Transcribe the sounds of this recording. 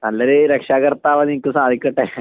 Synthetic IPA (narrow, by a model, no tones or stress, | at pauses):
alːəɾeɾəkʂakəɾt̪aʋanikəsãad̪ʱikəʈaɦe